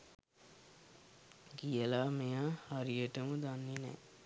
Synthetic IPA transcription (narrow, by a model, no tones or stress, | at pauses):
ɡijəlaːmejaːhaɾijəʈəməd̪anːinɛ̰ː